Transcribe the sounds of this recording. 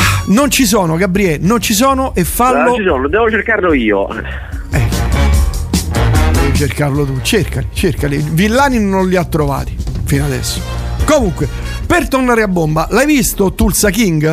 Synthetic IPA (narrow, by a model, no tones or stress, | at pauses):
nont͡ʃis̬ɔːnoɡabːɾiɛnont͡ʃis̬ɔːnoʔefːalːot͡ʃisɔːnod̪ɛːvot͡ʃerkarloiːo̰ | ɛ | d̪ɛvot͡ʃerkarlot̪ut͡ʃerkalit͡ʃerkalivilːaːninonliat̪ːɾova̰ːt̪i̥finad̪ɛ̰sːo̥komuŋkwe | pert̪ornaːɾeabːombalajvist̪ot̪ulsakiŋɡ